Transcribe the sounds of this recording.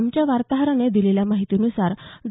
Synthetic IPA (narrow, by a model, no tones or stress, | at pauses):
mt͡ɕjaʋaɾt̪aɦɾəɳed̪ileljamaɦit̪inusaɾd̪